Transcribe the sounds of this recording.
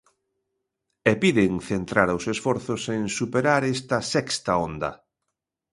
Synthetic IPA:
ɛpiðeŋθent̪ɾaɾaʊwsesfɔɾθʊseŋsupeɾaɾɛst̪ɐsɛkst̪ɐond̪ɐ̰

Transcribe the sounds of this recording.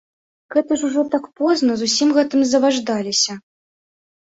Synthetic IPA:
ɣɛt̪ɐʂuʐɔt̪akpɔznɐzusʲimɣɛt̪ɨmzɐvaʐd̪alʲisʲɐ

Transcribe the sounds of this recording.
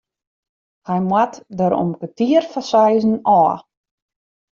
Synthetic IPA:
hɛjmwatdəɾo̰mkətiərfasɛjzn̩ɔː

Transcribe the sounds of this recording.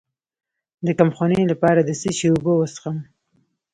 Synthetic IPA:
d̪əkamxonelapɑɾad̪əsəʃeubowəsxam

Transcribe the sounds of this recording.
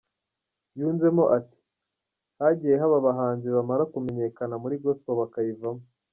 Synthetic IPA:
juːnze̞mo̞ʔati̥ | haɟijeɦaβaβaɦaːnziβamaɾakume̞ɲe̞kanamuɾiɡoskoβakajivamo

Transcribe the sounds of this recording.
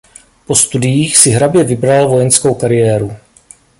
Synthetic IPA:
po̞st̪udɪjiːxsɪɦɾabjɛvɪbɾalvo̞jɛnsko̞wkaɾɪjɛːɾu

